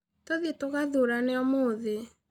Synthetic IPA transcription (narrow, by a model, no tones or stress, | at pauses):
toðietoɣaðoɾaneɔmoðe